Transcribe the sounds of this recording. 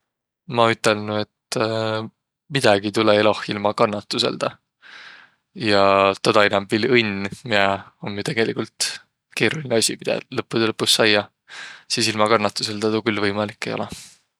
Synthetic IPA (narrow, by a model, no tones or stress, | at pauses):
mɑyt̪ːˑe̞lnue̞t̪ː | mid̪̥ɑɡit̪uleelohilmɑkɑnːɑt̪ːˑuse̞̰ld̪̥ɑ | jɑt̪ɑd̪ɑinɑmbilɤnʲmiæomjut̪e̞ɡ̥e̞likult̪ | ke̞ːɾulineɑsʲimid̪̥ɑ̰lɤpːˑud̪elɤpːusːɑjːɑ | siːsilmɑkɑnːɑt̪ːˑuse̞ld̪ɑt̪ukylːvɤjmɑlikːˑe̞jo̞̰lɛ